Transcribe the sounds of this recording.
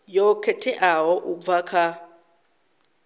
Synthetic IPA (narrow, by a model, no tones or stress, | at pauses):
jɔkʰɛtʰɛʔaɦɔʔub̪vakʰa